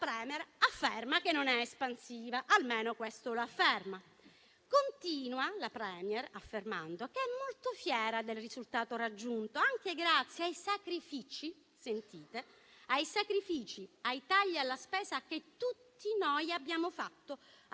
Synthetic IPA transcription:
pɾɛːmɛrafːermakenːonɛespansiːvaʔalmeːnokwest̪oloafːerma | kont̪iːnwalapɾɛːmjɛrafːerma̰nd̪okeɛmːolt̪ofjɛːɾad̪elrizult̪aːt̪oɾad͡ʒːunt̪oaŋk̟eɡɾat̪sːjeajsakɾifit͡ʃi | sent̪iːt̪e | ajsakɾifiːt͡ʃiajt̪aʎːialːaspɛːzak̟et̪ːut̪ːinojabːjaːmofat̪ːo

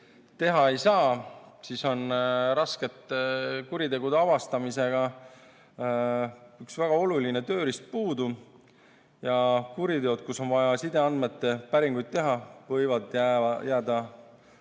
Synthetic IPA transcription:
t̪e̞ɦɑe̞jsɑːsiso̞nɾɑsket̪ːˑkuɾit̪e̞ɡ̥ud̪eɑvɑst̪ɑmise̞ɡ̥ɑ | yksvæɡ̥ɑo̞luline̞t̪ø̞ːɾist̪̚puːd̪u | jɑkuɾit̪e̞od̪̥̚kuso̞nvɑjɑsid̪eɑnd̪̚me̞t̪ːe̞pæɾiŋɡ̥ujd̪̚t̪e̞ɦɑvɤjvɑd̪jæjʔæːd̪̥ɑ

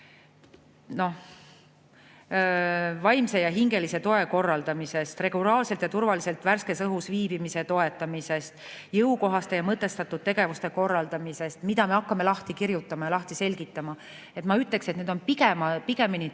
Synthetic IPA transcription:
no̞ | vɑjmse̞jɑɦiŋɡe̞lise̞t̪o̞e̞ko̞rːɑld̪̥ɑmise̞st̪re̞ɡ̥ulɑːlse̞lt̪jɑt̪urvɑlise̞lt̪værske̞sɤɦusviːb̥imise̞t̪o̞e̞t̪ˑːɑmise̞st̪ | jɤwko̞ɦɑst̪e̞jɑmɤt̪ːˑe̞st̪ɑt̪ːˑud̪̥̚t̪e̞ɡ̥e̞vust̪e̞ko̞rːɑld̪ɑmise̞st̪mid̪ɑme̞ɑkːɑme̞lɑht̪ikirjut̪ːˑɑmɑjɑlɑht̪ise̞lʲɡ̥it̪ːˑɑmɑ | e̞t̪mɑyt̪ːˑe̞kset̪ned̪o̞npikemɑpiɡ̥e̞mini

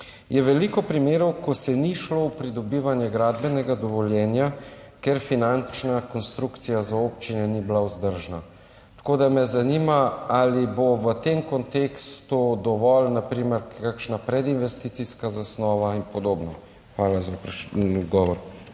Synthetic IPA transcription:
jɛʋɛlikɔpɾimeːɾɔwkɔsɛniʃlowpɾid̪ɔbiːʋanjɛɡɾaːd̪bɛnɛɡad̪ɔʋɔljɛːnjakeɾfinant͡ʃnakɔnst̪ɾukt̪sijazaopt͡ʃinɛniblauzd̪əɾʒna | t̪ḁkoːd̪amɛzanimaaliboʋət̪emkɔnt̪ekst̪ud̪ɔʋɔlnapɾiːmɛɾkakʃnapɾɛd̪inʋɛst̪iːt̪siskazasnɔːʋainpɔd̪oːbnɔ | xʋaːlazap̪ɡɔːʋɔɾ

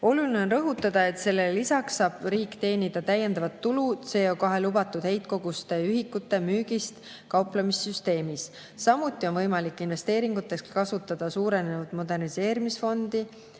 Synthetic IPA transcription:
o̞luline̞o̞nrɤ̞ɦut̪ːˑɑd̪̥ɑe̞t̪se̞lːelisɑksːɑːb̥riːkːˑt̪e̞ːnid̪̥ɑt̪æjːe̞nd̪ɑvɑt̪ːulud̪̥se̞ːokɑɦe̞lubɑt̪ːˑud̪̥he̞jt̪̚ko̞ɡ̥ust̪e̞yɦikːˑut̪ːˑe̞myːɡ̥ist̪ | kɑwplɑmisːyst̪e̞ːmisː | ɑmut̪ːˑio̞nvɤjmɑlikːˑinve̞st̪e̞ːɾiŋɡut̪ːˑe̞skɑsut̪ːˑɑd̪̥ɑsuːɾe̞nevud̪̥mo̞d̪e̞rnise̞ːɾimisfo̞nd̪̥i

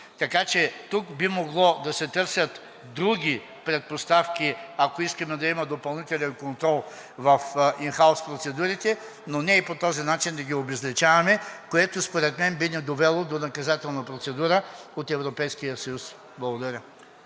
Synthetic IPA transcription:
t̪ɐkat͡ʃɛt̪ukbimoɡlˠɔd̪ɐsɛt̪ɤɾsʲjət̪ | d̪ɾuɡʲi | pɾɛt̪̚post̪afkʲiakoiskəmɛd̪ɐimɐd̪opɐlˠnit̪ɛlɛnkont̪ɾɔlˠ | vɐfinxaʊspɾot̪sɛd̪uɾit̪ɛ | nonɛipot̪ɔzinat͡ʃind̪ɐɡʲiobɛzlɛt͡ʃavɐmɛkoɛt̪ospoɾɛt̪mɛnbinɛd̪ovɛlˠod̪onɐkɐzat̪ɛlˠnɐpɾot̪sɛd̪uɾəot̪ɛvɾopɛjskijəsɐjus | blˠɐɡod̪ɐɾʲə

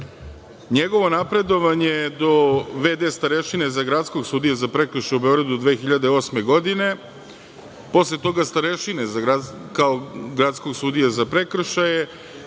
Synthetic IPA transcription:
ɲe̞ɡo̞ʋo̞napɾe̞d̪o̞ʋaɲed̪o̞ʋed̪e̞ːst̪aɾeʃinezaɡɾat̪sko̞ɡsuːd̪ijazapɾe̞kr̩ʃaube̞oɡɾad̪ud̪ʋeːxiʎad̪eo̞ːsmeɡo̞d̪ine̞ | po̞slet̪o̞ɡast̪aɾeʃinezaɡɾakaoɡɾat̪sko̞ɡsuːd̪ijazapɾe̞kr̩ʃaje

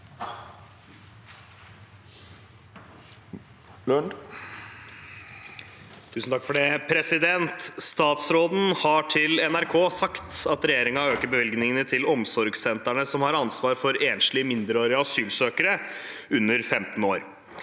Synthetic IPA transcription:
lœɳ | t̪ʰʉːsn̩t̪ɑkːfɔɖɛpʰɾɛsɪd̪ɛnt̪st̪ɑːt̪sɾoːd̪n̩hɑʈʰɪlɛnæɾkʰoːsɑkt̪ɑt̪ɾɛjeːɾɪŋɑøːkəɾbəʋɪlɡnɪŋənət̪ʰɪlɔmsɔɾɡsɛnt̪æɳəsɔmhɑɾɑnsʋɑːɾfɔɾeːnslɪəmɪnd̪əɾoːɾɪɑɑsyːlsøːkəɾəʉnːəɾfɛmt̪n̩oːɾ

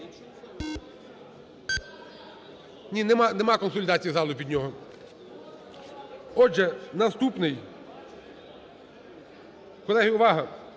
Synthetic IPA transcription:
nʲinɛmanɛmɑkɔnsʊlʲɪd̪ɑt͡sʲijizɑlˠʊpʲid̪ʲnʲɔɦɔ | ɔʒɛnɐst̪upnɪj | kɔlˠɛɦijʊʋɑɦɐ

